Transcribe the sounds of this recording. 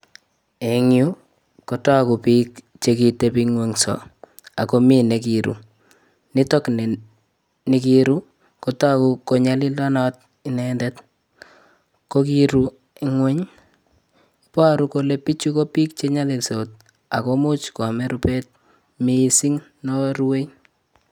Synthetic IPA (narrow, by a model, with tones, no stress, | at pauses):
e˨ŋju˦ | kota˦ku˨piːk | t͡ʃekitepiŋweŋsɔ̰˨ | a˨ko˦mi˦ne˨kiɾṵ˨ | nɪ˦to˦kn | ni˨kiɾu˦ | kota˦ku˨ko˨ɲa˦li˦ldɔ˦nɔ˦t̚ | i˨nɛndɛt | kokiɾu | iŋwɛ˦ɲ | pa˦ɾu˦kole˦pi˦t͡ʃu˦ko˦piː˦k̚t͡ʃeɲa˦li˨lso˨t̚ | a˨komu˦t͡ʃkɔ˨me˦ɾupet̚ | misi˦ŋ | nɔ˦ɾuwe˦j